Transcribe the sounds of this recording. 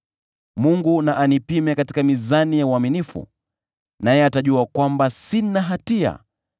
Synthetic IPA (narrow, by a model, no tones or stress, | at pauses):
muŋɡunaʔanipimɛkati̥kamizanijauaminifṵ | najɛataʄuakwambasinaɦatia̰